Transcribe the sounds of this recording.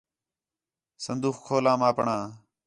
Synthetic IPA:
sənd̪uːxkʰoːlãːmaːpɳãː

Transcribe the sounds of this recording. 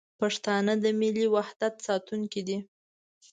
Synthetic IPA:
paʂt̪ɑnəd̪əmiliwahd̪at̪sɑt̪uŋkid̪i

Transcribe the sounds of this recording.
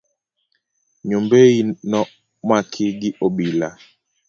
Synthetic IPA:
ɲombeinɔ | makʰiɡiʔoɓila

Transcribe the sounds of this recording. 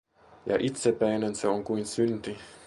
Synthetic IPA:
jɑ̰ʔit̪sepæinenseoŋkuinsynt̪i

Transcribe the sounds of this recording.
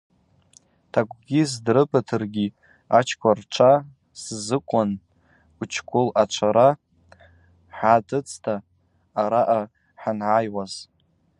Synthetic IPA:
tʰaɡ̚ʷʼɡʲizdrɨbatʰɨrɡʲi | at͡ʃʰkʷʰʼart͡ʃʷʰa | szɨkʷʼʊn | ut͡ʃʰkʷʰʼʊlat͡ʃʷʰaɾa | ħatʰɨt͡sʰtʰaː | ɾaʔa | ħanʕajwaz̥

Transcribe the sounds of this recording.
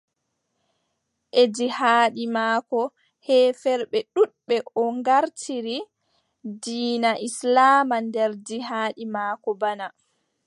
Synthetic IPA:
ʔed͡ʒihaːɗimaːkɔ | hɛːfɛɾɓɛɗuɗɓɛʔɔŋɡaɾtʰiɾi | diːnaʔislaːmandɛɾdiɦaːɗimaːkɔbana

